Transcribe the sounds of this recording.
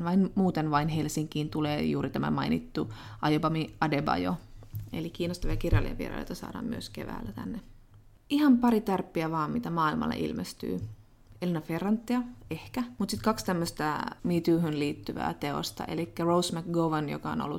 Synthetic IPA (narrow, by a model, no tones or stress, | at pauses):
ʋɑinmuːt̪enʋɑinhe̞lsiŋkiːnt̪uleːjuːɾit̪æmæ̰mɑinit̪ːuʔɑjobɑmiɑdebɑ̰jo̰ḛlik̟iːnost̪ɑʋiɑkirjɑlːiḛʋiḛɾɑ̰ːljo̰jt̪ɑsɑ̰ːɾdɑ̰ːmmyøskḛʋæ̰ːlːæt̪æ̰nːe | ʔihɑmpɑɾit̪ærpːiæʋɑːmmit̪æmɑːilmɑ̰lːḛʔḭlmest̪y̰ː | elinɑferːɑnt̪ːiɑehkæmut̪sit̪kɑkst̪æmːøst̪ɑmiːt̪yːɦynliːt̪ːyʋæ̰ːt̪e̞o̰st̪ɑ̰ʔḛlikːærowsmækɡowʋɑnjo̰kɑo̰no̰lːṵ